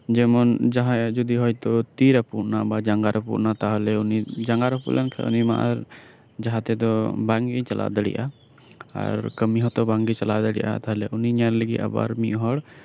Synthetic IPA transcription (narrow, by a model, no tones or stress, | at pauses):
d͡ʒɛmɔnd͡ʒaɦãd͡ʒɔd̪iɦɔjt̪ɔt̪iɾapuʔnabad͡ʒaŋɡaɾapṵʔnat̪aɦɔlɛunid͡ʒaŋɡaɾɔpṵʔlɛnkʰɛ̰ṵnima̰ʔaɾ | d͡ʒaɦãt̪ɛd̪ɔbaŋɡit͡ʃalʔa̰d̪əɽḭʔa̰ | a̰ɾkəmiɦɔt̪ɔbaŋɡit͡ʃalad̪əɽḭʔa̰t̪aɦɔlɛʔuniɲaɾləɡḭʔa̰ba̰ɾmiʔɦɔɽ